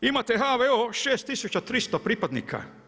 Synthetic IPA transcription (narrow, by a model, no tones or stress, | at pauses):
imat̪eɦaʋeoʃeːst̪ːisut͡ɕat̪ɾist̪opɾipad̪nḭːkʰa̰